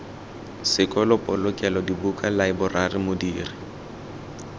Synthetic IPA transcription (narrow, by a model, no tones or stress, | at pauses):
sɪkʼɔlɔpʼɔlʊkʼɛlɔdibukʼalaɪbʊrarɪmodiːrɪ